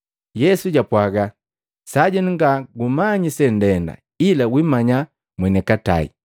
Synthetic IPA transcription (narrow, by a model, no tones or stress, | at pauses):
jɛsuɟapwaɡa | saɟɛnŋɡaɡumaɲisɛn̩dɛnda̰ | ilawimaɲa | mwɛnɛkata̰ḭ